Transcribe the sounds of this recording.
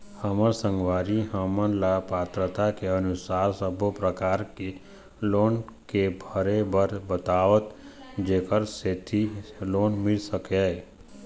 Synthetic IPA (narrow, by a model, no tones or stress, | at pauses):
həməɾsə̃ŋɡʋaːɾiɦəmənlapaːt̪ɾət̪akeənʊsaːɾsəbʱopɾəkaːɾke | loːnkebʱəɾebəɾbət̪aːʋət̪ | d͡ʒeːkəɾset̪ʰiloːnmɪlsəke